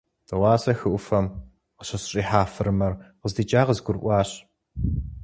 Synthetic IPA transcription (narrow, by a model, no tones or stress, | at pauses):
tʰɐwɑːsɐxɨʔʷʊfɐm | qəɕɐɕɕʼiːħaːfɨɾɨmɐrqəzdiːt͡ʃʼaːʁəzɡʷʊrʔʷɑːɕ